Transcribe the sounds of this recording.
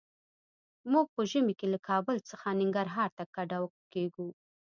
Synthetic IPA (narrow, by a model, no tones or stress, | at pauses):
muɡ̚pəʒəmikelakʰɑbəlt͡səxanɪŋɡaɾɦɑɾt̪akaɖawkeɡu